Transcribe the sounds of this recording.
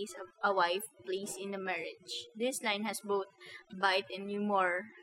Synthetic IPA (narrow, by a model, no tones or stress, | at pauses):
sɐwajfplisɪ̃nd̪ɐmɛɹɪd͡ʒd̪ɪslãj̃nhɛsboʊt̪̚bajt̪ɛ̃njumɔɹ